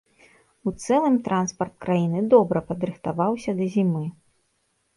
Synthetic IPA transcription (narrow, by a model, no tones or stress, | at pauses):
ut̪sɛlˠɨmt̪ɾʔanspɐrt̪̚kɾajinɨd̪ɔbɾɐpɐd̪ɾɨxt̪avawsʲɐd̪ɐzʲimɨ